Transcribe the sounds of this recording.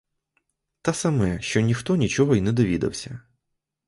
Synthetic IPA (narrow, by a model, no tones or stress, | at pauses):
t̪asɐmɛʃt͡ʃɔnʲixt̪ɔnʲit͡ʃɔɦɔinɛd̪ɔʋʲid̪ɐ̰wsʲɐ